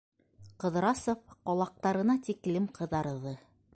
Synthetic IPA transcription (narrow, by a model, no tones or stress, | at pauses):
qɤ̆ðɾɑsŏfqɒlˠɑq̚t̪ɑɾɤ̆nɑt̪iklɘmqʰɤ̆ðɑɾðɤ